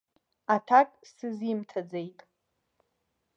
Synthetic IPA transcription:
atʰakʼsɨzimtʰad͡zejtʼ

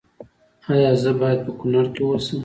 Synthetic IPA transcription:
ajɑzəbɑjad̪̚pəkʊnaɽkewosəm

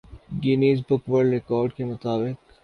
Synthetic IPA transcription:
ɡɪniːsbʊkʋəɾɾɪkɔːɾɖkemʊt̪aːbɪq

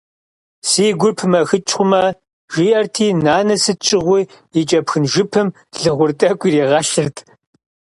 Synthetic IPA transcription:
siːɡʷʊrpʰmɐxɨt͡ʃʼχʷʊmɐ | ʒiːʔɐrtʰiːnaːnɐsɨt͡ʃʼɪʁʷi | jit͡ʃʼɐpxɨnʒɪpʰɨm | ɮɨʁʷʊrtʼɐkʷʼiɾiːʁɐɬɨrtʰ

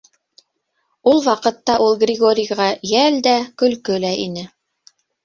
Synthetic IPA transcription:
ulˠwɑqɤ̆t̪ːɑʔulˠɡrʲɪɡo̞ɾʲɪjʁɑjæld̪ækɵ̆lkɵlæʔinɘ

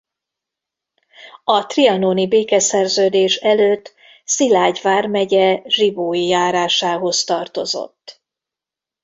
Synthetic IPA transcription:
ɒt̪riɒnoːnibeːkɛsɛrzøːd̪eːʃɛløːt̪ː | silaːɟvaːrmɛɟɛʒiboːijaːɾaːʃaːɦo̞st̪ɒrt̪o̞̰zo̞̰t̪ː

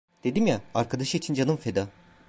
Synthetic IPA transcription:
d̪̥e̞d̪imjaaɾkʰad̪aʃɯiːt͡ʃʰind͡ʒanɯmfed̪a

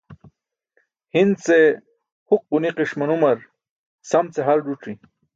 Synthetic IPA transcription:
hind̪t͡se | huq̚buniqiʂmɐnumɐɾ | sɐmt͡seɦalɖuʈ͡ʂi

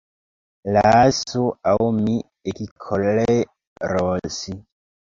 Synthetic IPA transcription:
lasuaumi | ekikʰɔle | ɾɔsi

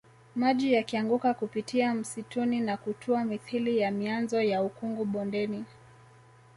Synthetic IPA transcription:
maʄijakiaŋɡukakupitiam̩situninakutʰuamiθilijamianzɔjaukuŋɡuɓɔndɛni

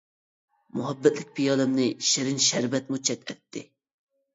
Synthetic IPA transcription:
mʊɦɛbːɛt̪lɪk̚ʲpʰijɑlɛmnɪʃɪɾɪnʃɛɾvɛt̪̚mut͡ʃʰːɛt̪ɛt̪ʰːɪ

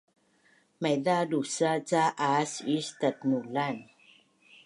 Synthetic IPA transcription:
majd̪adusat͡ɕaʔasist̪at̪̚nulan

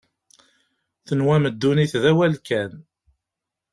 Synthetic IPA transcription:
θənwæməd̪ːuniθðæwælkæn

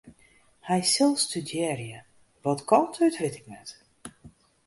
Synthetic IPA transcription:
hɛjsɪlˠstydjɛːrjə | ʋɔtkʰɔntʰœtrɪtɪknɛt

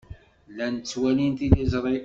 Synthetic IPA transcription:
lænt͡sːwælint̪ilizˤɾˤi

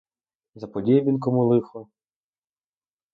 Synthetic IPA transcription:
zɐpɔdʲɛbʲinkɔmʊlˠɪxɔ

